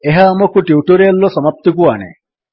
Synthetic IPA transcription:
eɦaːmɔkuʈjiuʈuɾijɐlːɔsɔmap̚t̪uk̬uanḛ

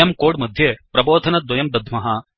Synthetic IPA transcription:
ɐmkoːɽmɐd̪ʱjeːpɾɐboːd̪ʱɐnɐd̪ʋɐjɐmd̪ɐd̪ʱmɐɦɐ

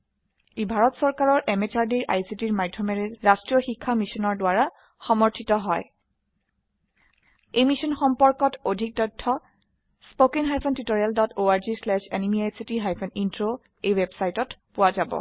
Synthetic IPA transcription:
ebʱaɹɔtsɔɹkaɹɔɹʔemet͡ʃaɹdiɹʔajsitiɹmadʱɔmɛɹɛɹastɹijɔxikʰːamisɔnɔɹdʊaɹa | xɔmɔɹtʰitɔɦɔj | ejmisɔnxɔmpɔɹkɔtodʱik̚tɔjtʰːɔ | spokinɦajpʰɔntitoɹialdɔtoaɹzislɛʃenimiajsitiɦajpʰɔnintɹo | ejwebsajtɔtpʊwazabɔ̰

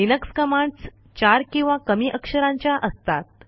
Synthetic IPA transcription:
inəkskəmãɳɖs | t͡ɕaɾkĩw̃ʋãkəmiːʔəkʂəɾãɲt͡ɕjaʔəst̪at̪̚

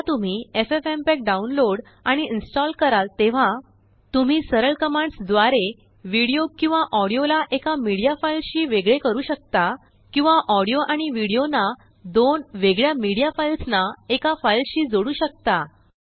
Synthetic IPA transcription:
at̪um̤iːefefempek̚ɖaunloɽ | aɽ̃iinsʈɔlkəɾalt̪eʋ̤a | t̪um̤iːsəɾəɭkəmãɳɖsd̪ʋaɾe | ʋiɽijokĩw̃ʋaʔɔɽijolaʔekamiɽijafailɕiːʋeɡɭekəɾuːɕək̚t̪a | kĩw̃ʋaʔɔɽijoʔaɽ̃iʋiɽijona | d̪onʋeɡɭjamiɽijafajlsnaekafajlɕiːd͡zoɽuːɕək̚t̪a

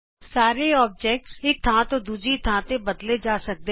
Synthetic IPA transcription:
saːɾeɔːb̚d͡ʒɛːk̚ʈsɪk̚t̪ʰãːt̪od̪uːd͡ʒɾit̪ʰãːt̪ebɐd̪led͡ʒaːsɐk̚d̪e

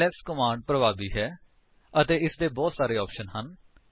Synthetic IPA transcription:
ɛːskəmãːɳɖ̚pɾəʋaːbiːɦɛː | ət̪eːɪsd̪eːbɔːt̪saːɾeːɔːpʃənɦən

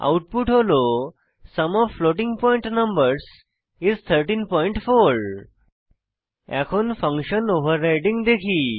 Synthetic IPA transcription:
a̰wuʈ̚puʈɦolo | səmɔʋfloʈĩŋɡpɔ̃jĩɳʈnəmbəɾs | izt̪ʰəɾʈiːnpɔiɳʈfoɾ | ɛkʰonfə̃ŋkɕənoʋəɾːajʈĩŋɡd̪ekʰiː

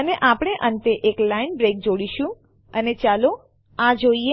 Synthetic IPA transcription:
əneʔapɽ̃eʔə̃nt̪eʔeklainbɾek̚d͡ʒoɽiʃũ | ənet͡ʃalo | ãd͡ʒoie

